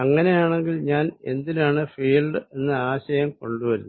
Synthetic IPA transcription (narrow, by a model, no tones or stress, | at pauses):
ɐŋːɐne̞jaːɳe̞ŋɡilɲaːne̞̰nd̪inaːɳɨfiːlɖɨe̞nːɨaːɕɐjɐmko̞ɳɖuʋɐɾunː